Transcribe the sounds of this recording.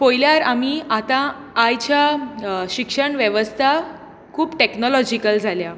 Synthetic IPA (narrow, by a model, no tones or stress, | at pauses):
pojljaɾamiat̪ãː | jt͡ɕjaɕikʂəɳʋjeʋəst̪ʰa | kʰuːpʈeknɔlɔd͡ʑikəld͡zʱalja